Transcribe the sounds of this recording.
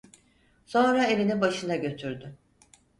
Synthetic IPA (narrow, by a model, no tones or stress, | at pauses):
so̞nɾae̞lʲinibaʃɯnaɟø̞t̪ʰyɾd̪y